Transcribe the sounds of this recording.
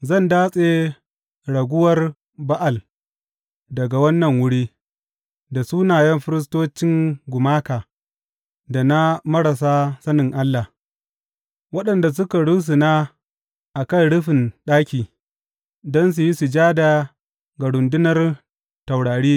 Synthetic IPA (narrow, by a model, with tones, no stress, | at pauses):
zɐ˦˨ndaː˦sʼe˦ | ɽɐ˨ɡʷʊ˦wɐ˦r | ba˦ʔa˨l | dɐ˨ɡa˨wɐ˦nːɐ˨ŋwʊ˦ɽiː˦ | da˨su˦naː˨jɐ˦mɸɪ˦ɾɪ˦s̬toː˦t͡ʃɪ˦ŋɡʷʊ˨maː˦kaː˨ | da˨na˦mɐ˦ɽɐ˨sa˦sɐ˦nɪ˨ŋʔa˦lːa˨ | wɐ˦ɗɐ˨nda˨s̬ʊ˦ka˨ɽu˦s̬u˨naː˦ | ʔa˨kɐ˦nɽʊ˦ɸɪ˨nɗaː˦kʲiː˨ | dɔ˦ns̬u˨ji˦su˨d͡ʒaː˦da˨ | ɡa˨ɽʊ˨ndʊ˦nɐ˦r | ta˨wɽaː˨ɽiː˦